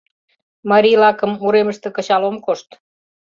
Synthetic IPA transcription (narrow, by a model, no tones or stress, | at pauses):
mɑɾilɑkə̆mːuɾeməʃt̪ĕkə̆t͡ɕɑlomkoʃt̪